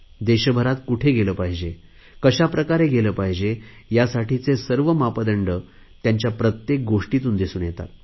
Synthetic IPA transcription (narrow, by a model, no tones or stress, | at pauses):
d̪eɕəbʱəɾat̪kuʈʰeɡeləːpaɦid͡ʑe | kəɕapɾəkaɾeɡeləːpaɦid͡ʑejasaʈit͡sesəɾʋəmapəd̪əɳɖə | t̪jaɲt͡ɕjapɾət̪jek̚ɡoʂʈit̪uːnd̪isuːnjet̪a̰t̪̚